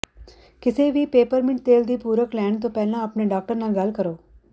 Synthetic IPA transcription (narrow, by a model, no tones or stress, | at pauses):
kɪseʋipeːpəɾmɪ̃ɳʈ̚t̪eːld̪iːpuːɾəklɛːɳt̪̬õpɛːlãɐpneɖaːk̚ʈəɾnaːlɡɐlkəɾoː